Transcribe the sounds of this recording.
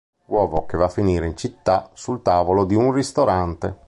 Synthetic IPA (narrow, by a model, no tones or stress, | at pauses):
wɔːvokevafːiniːɾeint͡ʃit̪ːasult̪aːvolod̪iunrist̪oɾant̪e